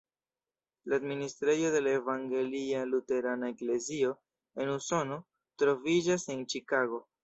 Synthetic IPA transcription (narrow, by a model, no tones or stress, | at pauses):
laːdministɾejo̞de̞lae̞vaŋɡe̞lialute̞ɾanaekle̞zio̞ | e̞nuso̞no̞ | tɾo̞vid͡ʒase̞nt͡ʃikaɡo̞